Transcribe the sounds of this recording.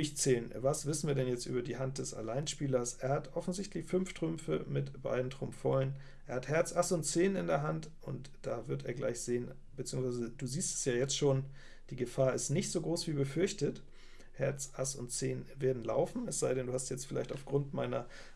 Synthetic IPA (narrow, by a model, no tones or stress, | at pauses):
ɪçt͡seːlənvasv̥ɪsn̩viːɐdɛnjɛt͡stʔy̰ːbɐdiːɦant̚d̥ɛsa̰laɪnʃpiːlɐsʔeːɐhatʔɔfn̩zɪçtlɪçfʏnfʃtʁ̥ʏmfə̰mɪtb̥a̰ɪdn̩tʁ̥ʊmfɔlən | ʔeːɐhathɛɐt͡sʔasʊntt͡seːnɪndeːɐɦantʔʊnt | d̥aːvɪɐtḛːɐɡla̰ɪçz̥eːən | bət͡siːʊŋsv̥aɪzəd̥uːziːstɛ̥sjaːjɛt͡stʃoːn | d̥iːɡəfaːɐɪstnɪçtz̥oːɡʁoːsv̥iːbəfʏɐçtət | hɛɐt͡sasʊntt͡seːnveːɐdn̩la̰ʊfn̩ɛsz̥aɪɾɛnduːhastjɛt͡stfɪlaɪçtaʊfɡ̥ʁʊntma̰ɪnɐ